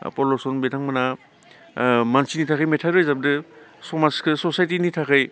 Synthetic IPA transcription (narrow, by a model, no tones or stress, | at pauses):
pɔlosɔnbetʰaŋmɯna | mansinitʰakʰɯjmetʰaɾɯjzabdɯsɔmaskʰɯsɔsajtinitʰakʰɯj